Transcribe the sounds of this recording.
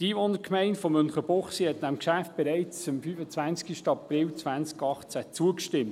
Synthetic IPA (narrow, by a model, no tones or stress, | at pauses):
tiːʋonəkʰmɛɪntfomʏnχəb̥ɔχsihɛtnamkʃæft̚b̥ɛɾɛɪt͡səmfyfət͡sv̥ænskiʃtəɑprɪlt͡svænskɑχt͡sæt͡suəkʃtɪmt